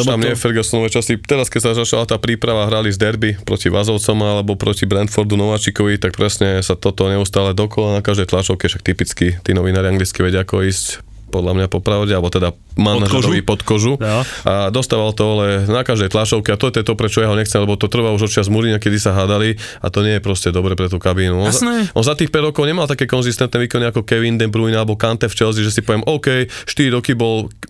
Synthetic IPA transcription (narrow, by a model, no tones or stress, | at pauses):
amɲɛfɛɾɡɛsɔnɔʋɛt͡ʃasit̪ɛɾaskɛcsazat͡ʃalat̪aːpɾiːpɾaʋaɦɾalizd̪ɛɾbipɾɔ̰ciʋazɔʊt͡sɔmalɛbɔpɾʔɔcibɾɛnt̪fɔɾd̪unɔʋaːt͡ʃikɔʋit̪ak̚pɾɛsɲɛsat̪ɔt̪ɔɲɛust̪aːlɛd̪ɔkɔlanakaʒd̪ɛjt̪laːʃɔʊkɛfʃak̚t̪ipit͡skit̪iːnɔʋinaːɾiaŋɡlit͡skiʋɛɟɪaakɔiːsc | pɔd̪lamɲapɔpɾaʊɟɛalɛbɔt̪ɛd̪a | manaʒɔʋipɔt̪kɔʒuʔad̪ɔst̪aːʋalt̪ɔalɛnakaʒd̪ɛjt̪laʃɔʊkɛat̪ɔt̪ɛt̪ɔpɾɛt͡ʃɔjaɦɔɲɛxt͡sɛmlɛbɔt̪ɔt̪r̩ʋauʒɔt͡ʃɪazmuɾiɲakɛd̪isaɦaːd̪ali | a̰t̪ɔɲɪɛjɛpɾɔscɛd̪ɔbɾɛpɾɛt̪uːkabinuɔnzɔnzat̪iːxpɛɟɾɔkɔʊɲɛmalt̪akɛkɔnzist̪ɛnt̪nɛʋiːkɔniakɔkɛʋind̪ɛbɾujinalɛbɔkant̪ɛft͡ʃɛlziʒɛsipɔʋɪɛmʔɔʊkɛjʃt̪iɾiɾɔkibɔl